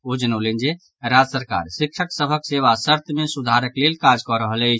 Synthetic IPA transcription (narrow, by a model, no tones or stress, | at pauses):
od͡ʒənolend͡ʒe | ɾad͡ʒsəɾka̰ɾsikʃʰəksəbʱəkseʋasəɾt̪ʰmesud̪ʱaɾəklelkad͡ʒkɔɾəɦəlɛt͡ʃʰ